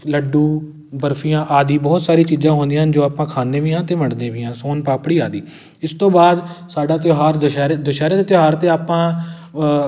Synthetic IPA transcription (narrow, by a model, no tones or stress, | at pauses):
ləɖuː | bəɾpʰijãːʔaːd̪iːbɔːt̪saːɾiːt͡ʃiːzãːɦoːnd̪ĩɦənd͡ʒoːaːpãːkʰaːnd̪eːʋɪːãːt̪eːʋəɳɖd̪ẽːʋɪ̃ːãːsoːnpaːpɽiːaːd̪iː | ɪst̪õːbaːd̪saːɖaːt̪joɦaːɾd̪əʃɛːɾeːd̪əʃaːɾeːd̪eːt̪joɦaːɾt̪eːaːpãː